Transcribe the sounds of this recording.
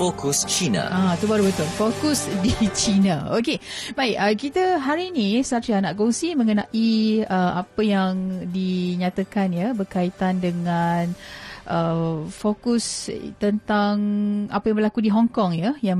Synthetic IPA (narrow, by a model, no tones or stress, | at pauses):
fokust͡ʃina̰at̪ubaɾubət̪ʊlfokusdit͡ʃinaoke | baikəkit̪əɦaɾinisasianaʔkoŋsimə̃ŋənaʔiəapəjaŋdiɲat̪əkanjəbərkait̪andəŋanʔəfokust̪ənt̪aŋapəjãŋbəɾlakudiɦɔŋkɔŋjəja